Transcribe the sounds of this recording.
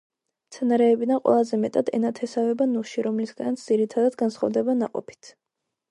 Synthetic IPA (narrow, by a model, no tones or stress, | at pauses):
mt̪sʰɛnaɾɛːbid̪anqʼwɛ̰lˠazɛmɛt̪ʼad̪ɛ̰nat̪ʰɛsavɛbanuʃiɾɔmlisɡanit̪sd̪z̥iɾit̪ʰad̪ad̪ɡansχɔvd̪ɛbanaqʼɔ̰pʰi̥t̪ʰ